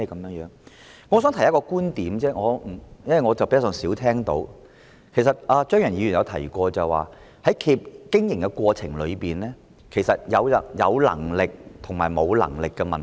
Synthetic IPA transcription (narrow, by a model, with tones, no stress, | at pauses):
ɛ˥kɐ˨˦mjœː˨˥ŋjœː˨˥ŋ | ŋɔː˧˥sœː˨˥ŋt̪ʰjɐ˥kɔː˧kuː˥nt̪iː˨˥mt͡sɛː˥ŋɔː˨˧m̩˨˩jɐ˥nwɐ˨jŋɔː˨˧t͡sɐ˨wpe˧˥˩sœː˨˥ŋsiː˨˥wt̪ʰɛː˥ŋt̪o̰˨˥w | kʰe˨˩js̬ɐ˨t̚ʔaː˧t͡ʃœː˥ŋjɐ˨˩njiː˨˧ɥy˨˩jɐ˨˧wt̪ʰɐ̰˨˩jkʷɔː˧t͡sɐ˨˩wa̰ː˨ | hɐ˨˥jkʰiː˧p̚kɪ˥ŋjɪ˨˩ŋkɛ˧kʷɔː˧t͡sʰɪ˨˩ŋlɵ˨˧ɥpiː˨nlɛː˥ | kʰe˨˩jsɐ˨t̚jɐ˨˧wɐ˨jɐ˨˧wlɐ̰˨˩ŋlɪ˨k̚t̪ʰʊ˨˩ŋmaː˨˩jmo˨˧wlɐ̰˨˩ŋlɪ˨kːɛ˧mɐ˨n